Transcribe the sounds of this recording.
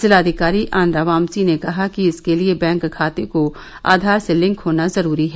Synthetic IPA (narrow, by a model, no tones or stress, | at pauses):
sɪlaːd̪ʱɪkaːɾiʔʔaːnɾaʋaːmt͡ʃinekɐɦakiɪskeliebɛ̃ːŋkkʰːaːt̪eko | a̰ːd̪ʱaːɾselɪ̃ŋkɦoːnazɐɾuːɾiɦɛː